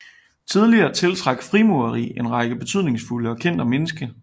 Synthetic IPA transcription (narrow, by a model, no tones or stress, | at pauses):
t͡sʰið̞ˠliɐːt͡sʰe̝lt͡sʰʁɑ̈ɡ̥fʁimuɐʁḭːe̝nʁɑ̈ɡ̥əb̥e̝t͡sʰyðˠne̝ŋsfuləɒ̽kʰen̰d̥əmenəsɡ̥ə